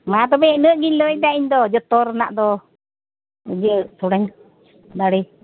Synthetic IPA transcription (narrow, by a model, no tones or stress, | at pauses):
mat̪̬ɔbɛnəʔɡilɔid̪aiɲd̪ɔd͡ʒɔt̪ɔɾna̰ʔd̪ɔ | ud͡ʒət̪uɽɛɲ | d̪aɽi